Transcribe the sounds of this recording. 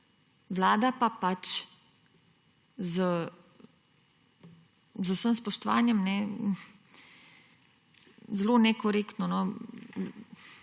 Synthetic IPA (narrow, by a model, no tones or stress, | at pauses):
ʋlaːd̪apapat͡ʃ | zə | zəwsəmspɔʃt̪ɔʋa̰ːnjɛmnɛ | zlonɛkɔɾeːkt̪nɔnɔ